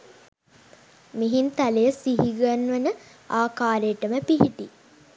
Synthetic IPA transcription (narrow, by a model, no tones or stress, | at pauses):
miɦint̪alejəsiɦiɡanʋənə | aːkaːɾejəʈəməpiɦiʈi